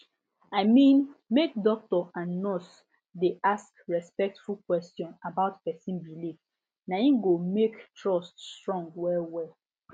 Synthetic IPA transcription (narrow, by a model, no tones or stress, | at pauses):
aɪmĩnmek̚dɔk̚tɔãnːɔs | deʔaskɹɛspɛk̚tfulkwɛstjɔ̃nabaʊtpɛsĩnbiliv | naĩɡomektʰɹɔststɹɔ̃ŋɡwɛlwɛ